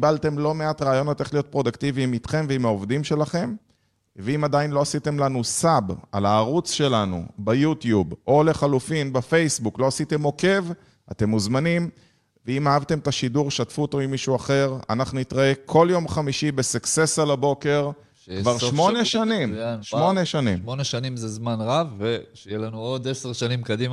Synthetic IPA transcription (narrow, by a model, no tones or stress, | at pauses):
balt̪e̞mlo̞me̞atʁaːjo̞not̪eχlijo̞t̪̚pʁo̞d̪akt̪iviːmit̪χe̞mveimaovd̪imʃe̞laχe̞m | veimad̪ainlo̞asit̪e̞mlanusabalaːʁut͡sʃe̞lanṵbajut̪jubʔo̞le̞χalufinbefe̞jsbuklo̞asit̪e̞mo̞ke̞v | ʔa̰te̞muzmanim | veimaavt̪e̞met̪aʃiduʁʃatfuotomimiʃuaχe̞ʁa̰naχnunit̪ʁae̞kʰo̞ljo̞mχamiʃibesukse̞salabo̞ke̞ʁ | kvaʁʃmo̞neʃanimʃmo̞ne̞ʃanḭmoneʃanimzezmanʁavːeʃejelanuod̪eseʁʃanimkad̪ima